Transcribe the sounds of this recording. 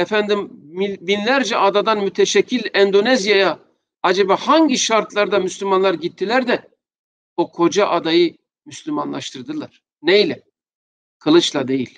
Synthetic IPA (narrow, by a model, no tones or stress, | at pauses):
ɛfænd̪imibinlʲæɾd͡ʒɛʔad̪ad̪anmyt̪ʰeʃɛcʰːilʲɛnd̪o̞nɛzjaja | ad͡ʒebahaɲɟiʃaɾt̪ʰlˠaɾd̪amyslʲymanlˠaɾɟit̪ʰːilʲæɾd̪ɛ | bokʰo̞d͡ʒaʔad̪ajɯ | myslʲyma̰nlˠa̰ʃt̪ʰɯɾd̪ɯlˠaɾ̥ | nejlʲɛ | kʰɯlˠɯt͡ʃlˠad̪e̞jilʲ